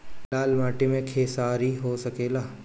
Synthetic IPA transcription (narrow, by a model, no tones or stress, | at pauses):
laːlmaːʈimẽkʰeːsaːɾiɦosɐkeːlaː